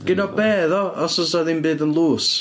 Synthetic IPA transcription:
ɡ̥ɪnɔbɛːðɔɔsɔsaðɪnbɨːðənlˠuːs

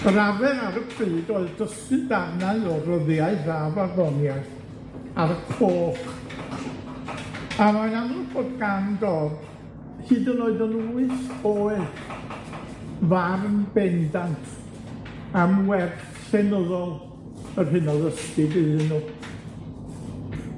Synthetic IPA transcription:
ɾavɛɾaɾəpʰrɨːdoːɨðdəstɨdanaɨɔrəðjaɨravaðɔnja | aɾəkʰoːχ | amaɨnanub̥oːdɡandɔd | hɨːdənoːɨðənuɨθoːɨ | varnbɛndantʰ | amwɛr | ɬɛnəðɔlˠ | ərhɪnɔðəstɪɡɨɨnuː

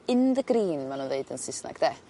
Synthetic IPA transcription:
ɨnðəɡriːnmanuːnðeɨdənsɪsna̰ɡ̥d̥ɛ

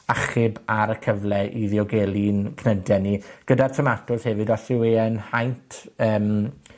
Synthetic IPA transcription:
aχɪbaɾəkʰəvlɛʔiðjɔɡɛːlˠinkʰnədɛniɡ̥ədartʰəmatʰʊshɛvɪdɔɬɪweənhajntʰəːm

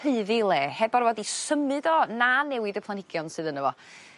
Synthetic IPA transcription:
eɨðilˠeːhɛbɔrvɔdisəmɨdɔnanɛwɪdəpʰlˠanɪɡjɔnsɨðənəvɔ

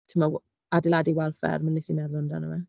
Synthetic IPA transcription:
tʰəma | adɪlˠadiwɛlˠfɛ̰rmanːɛsimɛðlˠʊnda̰nə̰ma

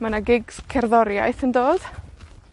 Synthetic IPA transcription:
manaɡɪɡz̥kʰɛrðɔɾja̰jθəndoːd̥

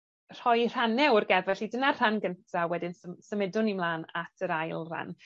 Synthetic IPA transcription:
r̥ɔjr̥anɛwrɡɛvvɛɬidənar̥anɡəntʰawɛdɪnsəsəmɪdʊnimlˠaːnatʰəɾajlˠr̥a̰n

